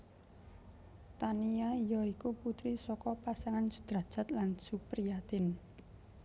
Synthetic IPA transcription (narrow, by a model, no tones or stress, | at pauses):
t̪aniaijɔikuput̪ɾisɔkɔpasaŋansu̥d̪̥ɾa̤d̥d͡ʒ̥a̤t̪lansupɾijat̪ɪn